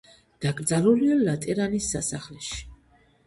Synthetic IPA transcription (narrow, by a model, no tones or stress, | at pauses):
d̪̥akʼɾd̪zaɾulialat̪ʼɛɾanisːasaχlɛʃi̥